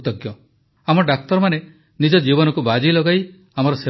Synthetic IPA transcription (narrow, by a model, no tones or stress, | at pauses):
t̪ɔɡjɔ | amɔɖak̚t̪ɔɾɔmane | nid͡ʒɔd͡ʒibɔnɔkubad͡ʒilɔɡaj | amɔɾɔse